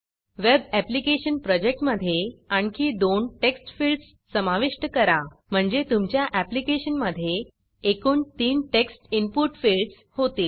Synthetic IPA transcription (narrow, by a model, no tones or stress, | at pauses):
ʋebæplikeɕənpɾɔd͡ʑek̚ʈməd̪ʱːjeaɳkiːd̪onʈeksʈfilʈsːəmaʋiʂʈəkəɾa | m̤əɳd͡zet̪umt͡ɕjaʔæplikeɕənməd̪ʱːjeː | kuːnt̪iːnʈeksʈimpuʈfilɖs | hot̪e